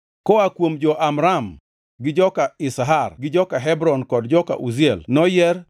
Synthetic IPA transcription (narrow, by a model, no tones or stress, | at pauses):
kɔakwomd͡ʒɔʔamɾam | ɡɪd͡ʒɔkaɪsɦarɡɪd͡ʒɔkaɦɛbɾɔnkɔdd͡ʒɔka̰ʔuzɪɛlnɔjɛr